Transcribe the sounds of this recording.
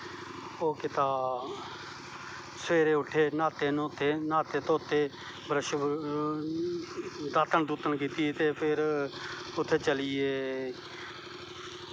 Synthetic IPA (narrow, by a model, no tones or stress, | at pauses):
oːkɪt̪aː | sʋeːɾeːʊʈʰːeːnaːt̪eːnot̪ʰeːnaːt̪eːt̪oːt̪ʰːeː | bəɾəʃ | d̪aːt̪əɳd̪uːt̪ənkiːt̪ieːt̪eːpʰɪɾ | ʊt̪ʰːeːt͡ʃəlɪːeː